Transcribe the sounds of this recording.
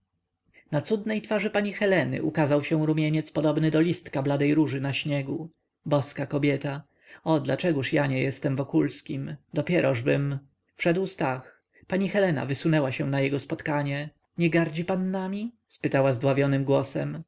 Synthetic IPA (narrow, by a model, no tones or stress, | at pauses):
nat̪sud̪nɛjt̪faʐɘpaɲixɛlɛnɘ̰ʔukazawɕɛ̃w̃ɾumʲjeɲɛt̪spɔd̪ɔbnɘd̪ɔlʲist̪kablad̪ɛjɾuʐɘnaɕɲɛɡu | bɔskakɔbʲjɛt̪a | ɔd̪lat͡ʂɛɡuʂjaɲɛjɛst̪ɛmvɔkulskʲimd̪ɔpʲjɛɾʔɔʐbɘm | fʂɛd̪wst̪ax | paɲixɛlɛna̰vɘsunɛwaɕɛw̃najɛɡɔspɔt̪kaɲɛ | ɲɛɡaɾd͡ʑipanːamʲi | spɘt̪awazd̪wavʲjɔnɘmɡwɔsɛm